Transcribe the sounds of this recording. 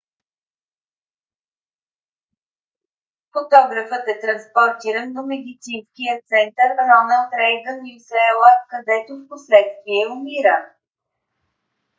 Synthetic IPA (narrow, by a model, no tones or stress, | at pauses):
fot̪ɔɡɾəfət̪ɛt̪ɾɐnspoɾt̪iɾənːomɛd̪it̪sinskijət̪sɛnt̪əɾnɔnəlt̪ɾɛjɡ̪ənisɛlˠəkɐd̪ɛt̪ofposlɛt̪st̪viɛʊmiɾə